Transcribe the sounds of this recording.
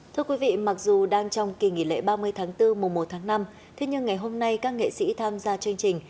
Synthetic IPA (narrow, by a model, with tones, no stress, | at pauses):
t̪ʰɨ˧əkwi˨˦vḭ˧˨ma˨˩k̚zu˨˩ɗaː˧ŋt͡ɕɔ˧wŋ͡mki˨˩ŋḭ˧˩lḛ˧˥ɓaː˧mɨ˧əjt̪ʰaː˨˦ŋt̪ɨ˧mu˨˩ŋ͡mmo˨˩t̚t̪ʰaː˨˦ŋna˧m | t̪ʰe˨˦ɲɨ˧ŋːa˨˩jɦo˧mna˧jkaː˦˥k̚ŋḛ˧˨sḭ˧˥t̪ʰaː˧mzaː˧t͡ɕɨ˧əŋt͡ɕï˨˩ŋ̟